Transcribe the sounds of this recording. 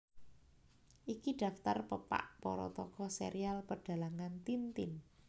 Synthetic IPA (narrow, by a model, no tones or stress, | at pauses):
ʔikiɖ̥ä̤ft̪arpəpa̰ʔpɔɾɔ̰t̪ɔkɔsḛɾialpəɖ̥a̤laŋant̪int̪ɪn